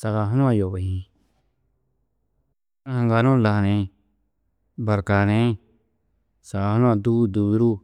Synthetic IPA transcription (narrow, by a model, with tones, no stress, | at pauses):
sa˧ɣa˧ɦa˦nũ˦ã˧˨jo˨βa˨ĩ˧ | ã˦hã˨˧ŋɡa˧nõ˦la˨nẽ˨˧ | ba˨ɾka˨nẽ˨˦˧ | sa˨ɡa˧ha˦nũ˦ã˧˨d̪u˦d̪u˧˨βi˦ɾu˦